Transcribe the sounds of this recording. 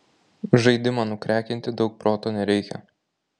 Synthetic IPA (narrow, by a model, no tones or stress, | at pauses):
ʒɐɪd̪ʲɪmɑːnʊkɾʲæːkʲɪnʲt̪ʲɪd̪ɒʊk̚pɾoːt̪oːnʲɛɾʲɛɪkʲɛ̰